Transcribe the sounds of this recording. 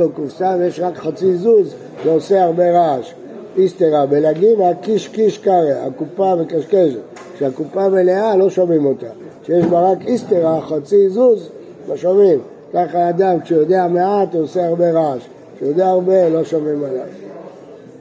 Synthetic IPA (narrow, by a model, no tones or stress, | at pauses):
okufsavjeʃʁakχat͡sizuz | ʃeoseaʁbe̞ʁaʃ | ist̪eʁabelaɡiveakiʃkiʃkaʁea̰kupamekaʃkeʃet̪ | ʃeakupamelealo̞ʃomimo̞t̪aʃejeʃbaʁakist̪eʁaχat͡sizuz | maʃomim | kaχaːd̪amkʃejod̪eameat̪oseaʁbe̞ʁaʃ | ʃejod̪eaːʁbe̞lo̞ʃomimalav